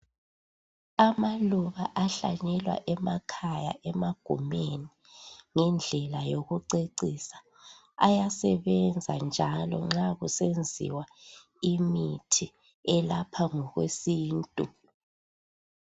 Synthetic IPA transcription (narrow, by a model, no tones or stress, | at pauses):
amaluβaʔaɬa̰ɲɛlwa̰ʔɛmakʰaja̰ʔɛmaɡ̥ʱṵmeni | ŋɛnd͡ɮʱɛlajoɣuǀeǀisḁ | ajasɛβɛnd͡zʱand͡ʒʱalɔ̰ŋ͡ǁaɣusend͡zʱḭwa | imitʰi | ɛlapʰaŋɔɣwesiːntʼu